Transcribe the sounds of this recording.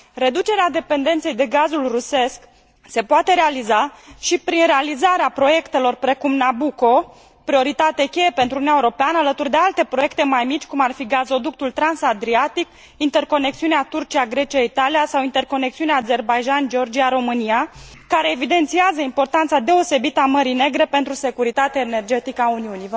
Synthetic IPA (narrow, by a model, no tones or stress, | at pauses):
ɾe̞d̪ut͡ʃe̞ɾead̪e̞pe̞nd̪e̞nt̪se̞jd̪e̞ɡazulruse̞sk | se̞poat̪e̞ɾealizaʃipɾinɾealizaɾeapɾo̞je̞kt̪e̞lo̞rpɾe̞kumnabuko̞ | pɾio̞ɾit̪at̪ekʲe̞je̞pent̪ɾunnjaeuoɾo̞peanəalət̪urd̪e̞alt̪e̞pɾo̞je̞kt̪e̞majmit͡ʃʲkumarfiɡazo̞d̪uk̚t̪ult̪ɾansad̪ɾiat̪ik | int̪e̞rko̞ne̞k̚t̪siuneat̪urt͡ʃiaɡɾe̞t͡ʃiait̪alijasawint̪e̞rko̞ne̞k̚t̪siuneaze̞rbajʒand͡ʒeo̞rd͡ʒiaɾo̞mɨniakaɾe̞ːvid̪e̞nt̪siazəimpo̞rt̪ant̪sad̪e̞o̞se̞bit̪əaməɾijne̞ɡɾe̞pe̞nt̪ɾuse̞kuɾit̪at̪eaene̞rd͡ʒe̞t̪ikəauniunijv